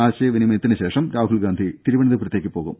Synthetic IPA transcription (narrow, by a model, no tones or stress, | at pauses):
aːɕɐjɐʋinimɐjɐt̪ːinɨɕe̞ːʂɐmɾaːɦuɭɡaːnd̪ʱit̪iɾuʋɐɳiðɐprɐt̪jekʲːɨpːo̞ːɣṵm